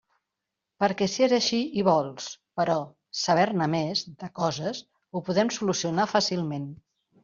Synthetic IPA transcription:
pəɾkɛsiezəʃiiβ̞ɔlˠspəɾɔ | səβ̞ɛɾnəmezd̪əkɔzəz | upuðɛmsulusiunafasilˠmen

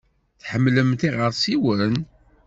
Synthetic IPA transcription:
θħəmːləmt̪iʁəɾsiwən

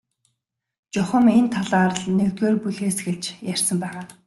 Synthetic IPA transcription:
t͡ɕʊχə̆ment̪ʰaɮaːrɮnekt̪eːrpuɮeːsɡeɮt͡ɕjær̥ʲsə̆mpæːʁaː

